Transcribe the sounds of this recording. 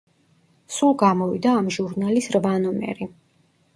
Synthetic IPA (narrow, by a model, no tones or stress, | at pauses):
sulˠɡamɔvid̪aːmʒuɾnalisɾvanɔmɛ̰ɾi